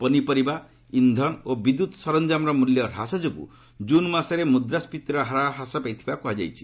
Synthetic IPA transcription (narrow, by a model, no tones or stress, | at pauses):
pɔnipɔɾiba | ind̪ʱɔnobid̪ut̪sɔɾɔnd͡ʒamɾɔmuljɔɾasɔd͡ʒokṵ | d͡ʒunmasɔɾemud̪ɾaspit̪iɾɔɦaɾaɦasɔpajt̪ʰibakuɦad͡ʒa̰jt͡ʃʰi̥